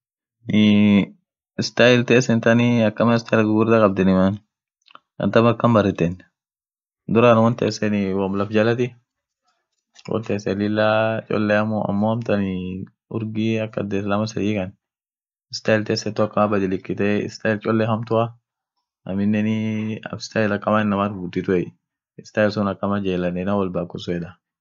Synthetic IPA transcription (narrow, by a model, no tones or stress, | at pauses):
nɪ | ɪst̪ajɪlt̪eːsɛnt̪ɐnɪɐkːɐmɐɪst̪aɪlɡʊɡʊɾd̪akʼɐb̚d̪ɛnɪman | ɐ̰nt̪ɐmɐkːɐmbɐrɪt̪ːɛn | d̪ʊɾanwɔnt̪ɛːsːɛnɪwɐmlɐfd͡ʒɐlɐt̪ɪ | wɔ̰nt̪eːsɛlɪlːat͡ʃʼɔ̰lːɛɐmːoɐ̰mːoːhɐmt̪ɐnɪ | ʊɾɡiɐkːɐd̪eːslamɐsɐdiːkɐn | ɪst̪aɪlt̪eːsɛt̪ːɐkːɐmabɐd̪ɪlɪkːɪt̪ɛɪ̰st̪aɪlt͡ʃʼɔlːɛɦɐmt̪ʊa | ɐmɪnːɛnɪɐ̰ɪ̥st̪aɪlɐkʼːɐmaːɪnːɐmaɾbut̪ːɪt̪ʊɛ | ɪst̪aɪlsʊnɐkʼːɐmad͡ʒeːlɐnɛnawɐlbakːʊsʊɛᶑ̪a